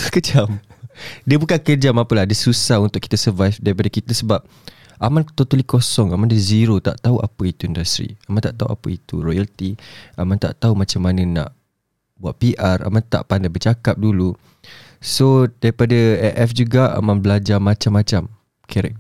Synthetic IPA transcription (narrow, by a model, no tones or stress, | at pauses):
kət͡ʃamdiəbukankəd͡ʒamapəlahdiəsusahunt̪ʊʔkːi̥t̪asəvajfdaɾip̬adakit̪asəbap̚ | ʔamãnt̪ot̪əlikosɔŋamãndəziɾot̪a̰ʔt̪auʔa̰pəit̪uindast̪ɾḭamant̪aʔt̪aɦṵʔa̰pəit̪ṵɾɔjalt̪iamãnt̪a̰ʔt̪aumãt͡ʃamːanə̃nã̰ʔ | buat̪̚piʔara̰mant̪a̰ʔpandajbət͡ʃakap̚dulu | sodaɾipadaɛʔɛfd͡ʒuɡaa̰mãnbəlad͡ʒamãt͡ʃamːat͡ʃam | kʰɛɾɛ̰